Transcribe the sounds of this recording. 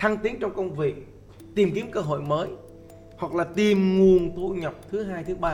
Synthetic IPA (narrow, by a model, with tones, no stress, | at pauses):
t̪ʰaː˧ŋt̪i˨˦ənt͡ɕɔ˧ŋ͡mkə˧wŋ͡mvḭ˧˨ | t̪i˨˩mki˨˦əmkəː˧ɦo̰˧˨jməː˨˦j | hwa˨˩k̚laː˨˩t̪i˨˩mŋu˨˩ənt̪ṵ˧ɲə˨˩p̚t̪ʰɨ˨˦ɦaː˧jt̪ʰɨ˨˦ɓaː˧